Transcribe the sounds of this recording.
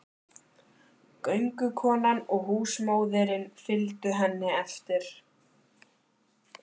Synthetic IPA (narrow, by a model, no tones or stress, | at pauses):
kœɥŋkʏkʰɔːnanɔɣɦuːsmoːwðɛɾɪnfɪlt̪ʏɦɛnːɪɛft̪ɪɾ̥